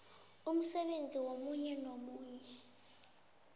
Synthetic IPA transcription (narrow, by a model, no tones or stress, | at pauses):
um̩sɛɓend͡zʱiwomuɲɛnomuːɲɛ